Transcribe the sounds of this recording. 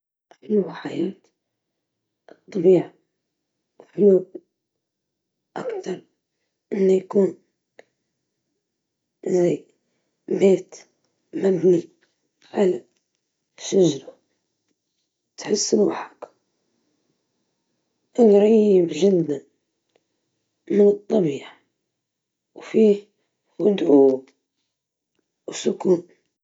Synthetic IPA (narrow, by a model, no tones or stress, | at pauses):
ħʊluħajaːt̪ | ʔɨt̪ˤːbiːʕa | ħʊluːb | ʔakt̪ɑɾˤ | ʔɪnːajkuːn | zaj | beːt̪ | mabni | ʕala | ʃaʒɾˤa | t̪ħɪsːluħḁk | ʔanɾˤɑjɪbʒɪd̪ːan | mɪnɨt̪ˤːɑbiːħ | wfiː | wʊd̪ʕuːb | wsʊkuːm